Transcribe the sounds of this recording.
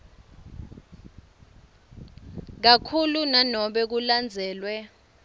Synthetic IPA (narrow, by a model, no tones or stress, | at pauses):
k̬akʰulunanɔɓɛk̬uland͡zʱɛːlwɛ